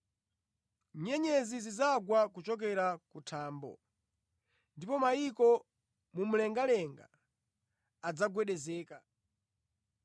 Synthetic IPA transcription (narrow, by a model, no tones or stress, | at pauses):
ɲɛɲɛzizizaɡwakut͡ʃɔk̬ɛɾakutʰaːmbɔ̰ | ndipɔmaikɔ | mum̩lɛŋɡalɛŋɡa̰ | d͡zaɡwɛɗɛzɛːka